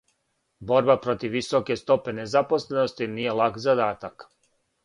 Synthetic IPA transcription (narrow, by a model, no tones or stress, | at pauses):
bo̞ɾbapɾo̞t̪iʋːiso̞ke̞st̪o̞pe̞nezapo̞sle̞nost̪iniːje̞lˠakzad̪aːt̪ak